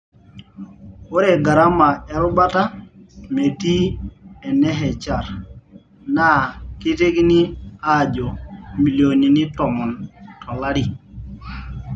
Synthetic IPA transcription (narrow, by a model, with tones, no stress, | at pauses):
o˦ɾe˨ɡa˨ɾa˦ma˨ɛ˦ɾʊ˦ba˦ta˦me˨ti˦ɛ˨nɛ˦ɦɛ˨t͡ʃa˨ɾ | na˦˨ki˦te˦kni˦a˦˨d͡ʒɔ˨mi˨ljo˨ni˨ni˦tɔ˨ŋɔ˨ntɔ˨la˦ɾi˨